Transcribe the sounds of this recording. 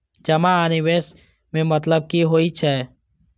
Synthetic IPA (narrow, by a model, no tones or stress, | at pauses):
d͡ʒɐmaaːniweːs | mẽmɐt̪ləb̚kiɦoːit͡ʃʰɛː